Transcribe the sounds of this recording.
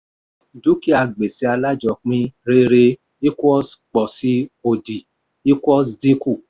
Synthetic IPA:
du˨˦ki˦a˨ɡ͡be˨si˧˦a˧la˦d͡ʒɔ˨˧˨k͡pĩ˦ɾe˦ɾe˧ | i˦kwɔ˦sk͡pɔ˨si˨˦o˧di˨ | i˦kɔ˦sdi˦ku˦˨

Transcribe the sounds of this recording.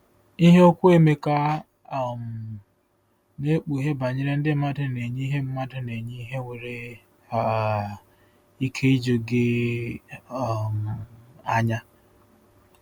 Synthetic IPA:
i˦ɦe˦o˦kʷu˦e˦me˦ka˦˨ | m̩˨ | ne˦k͡pu˨ɦe˦ba˨ɲɪ˦ɾe˦n̩˦dɪ˦ma˦dɪ˨ne˨ɲi˦i˦ɦe˦m̩˦ma˦dɪ˦ne˨ɲi˦i˦ɦe˦ŋʷe˨ɾe˨ | a˨ | i˦kʰe˦i˦d͡ʒo˨ɡe˦˨ | m˨a˦ɲa˦

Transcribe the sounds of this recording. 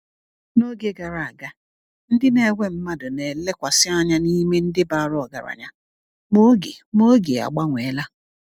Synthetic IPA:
no˦ɡe˦ɡa˨ɾa˨a˨ɡa˦ | n̩˦dɪ˦ne˨ɡʷe˦m̩˦ma˦dʊ˨ne˨le˦kʷa˨sɪ˦a˦ɲa˦ni˦me˦n̩˦dɪ˦ba˨ɾʊ˦ɔ˨ɡa̰˨ɾa̰˨ɲa˦ | mo˦ɡe˨mo˦ɡe˨a̰˨ɡ͡ba˦ŋʷe˨˦la˦

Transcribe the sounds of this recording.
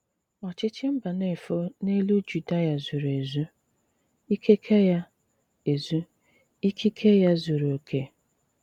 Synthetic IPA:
ɔ˨t͡ʃɪ˦t͡ʃɪ˦m̩˦ba˨ne˦˨fo˦ne˦lu˦d͡ʒu˨da˦ja˨zu˨ɾe˨zu˦ | i˦kʰe˦kʰe˦ja˦ | e˨zu˦ | i˦kʰi˦kʰe˦ja˦zu˨ɾo˨kʰe˦

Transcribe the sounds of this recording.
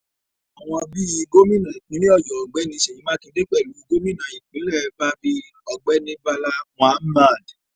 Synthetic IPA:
a˨w̃ɔ̃˧bi˦i˧ɡo˦mĩ˦nã˨i˨k͡pĩ˨˦nĩ˦ɔ˦˨d͡ʒɔ˨ɡ͡bɛ˨˦nĩ˧ʃe˨ĩ˨˦mãː˦tĩ˧de˦k͡pɛ˦˨lu˨˦i˧ɡo˦mĩ˦nã˨i˨k͡pĩ˨˦lɛ˦˨˧ba˦bi˧ | ɔ˧ɡ͡bɛ˦nĩ˧ba˧la˦w̃ã˨˦mã˦˨d

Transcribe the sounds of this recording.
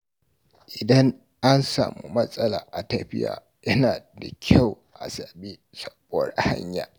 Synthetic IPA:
ʔɪ˨dɐ˦ŋ | ʔa˦nsaː˨mu˦mɐ˦sʼɐ˦laː˨ʔa˨tɐ˦ɸɪ˦ja̰ː˨ | jɐ˦naː˨da˨kʲʰa˦˨w | ʔa˨sɐ˨ɓi˦ | sɐ˦bdha̰˦ɲja̰˨

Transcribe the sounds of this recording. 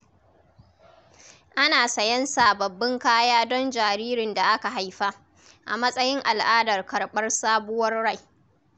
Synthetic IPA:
ʔa˦naː˨sɐ˨jɐ˦nsa˨bɐ˨bːɪ˦ŋkaː˦jaː˦dɔ˦nd͡ʒaː˨ɾiː˦ɾɪ˨nda˨ʔa˦ka˨ɦa˨˦jɸa˦ | ʔa̰˨mɐ˦sʼɐ˦jɪ˦ŋʔa˨lʔaː˦dɐ˨rkɐ˨rɓɐ˦rsaː˦bʊ˦wɐ˦rɽa˦˨j

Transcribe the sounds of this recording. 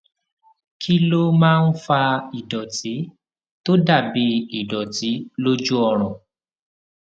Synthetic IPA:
kʰi˦lo˦mãː˦˧n̩˦fa˧i˨dɔ˨ti˨˦ | to˦da˦˨bi˧i˨dɔ˨ti˨˦lo˦d͡ʒu˦ɔ˧ɾ̃ɔ̃˨

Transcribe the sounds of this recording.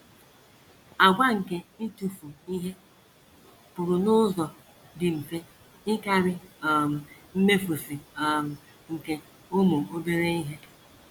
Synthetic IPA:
a˨ɡʷa˦ŋ̩˨ke˦n̩˦tu˨fu˨i˦ɦe˦ | pʊ˨ɾʊ˨nʊ˦zɔ˨ | dɪ˨m̩˨fe˦ | ɪ˦ka˦ɾɪ˦˨m˨m̩˦me˦fu˨si˨ | ŋ̩˨ke˨ | ʊ˦mʊ˨o˦be˦ɾe˦i˦ɦe˦

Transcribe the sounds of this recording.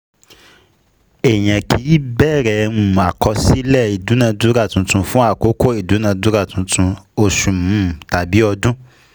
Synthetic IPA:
ɛ˨j̃ɛ̃˨kʰi˨˦bɛ˦˨ɾɛ˨nũ˨a˨kɔ˧si˦lɛ˦˨i˨du˨˦nã˧du˨˦ɾa˦˨tũ˨˧tũ˧fũ˦a˦˨ko˨˦ko˦˨i˨du˨˦nã˧du˨˦ɾa˦˨tũ˧˦tʰũ˧o˧ʃũ˨mũ˨˦˨ta˨bi˨˦ɔ˧dũ˦

